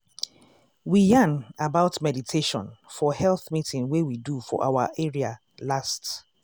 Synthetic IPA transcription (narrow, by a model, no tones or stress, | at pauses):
wijãnabaʊtmɛditʰeʃɔ̰̃nfɔhɛlθmitʰĩŋwewidufɔ̰ʔa̰waʔɛɹia | last